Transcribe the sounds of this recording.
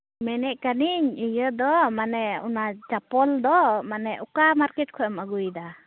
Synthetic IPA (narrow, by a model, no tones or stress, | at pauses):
mɛnɛʔ̚kaniɲəjəd̪ɔmanɛunat͡ʃapɔld̪ɔmanɛʔukamaɾkɛt̚kʰɔʔɔməɡujd̪a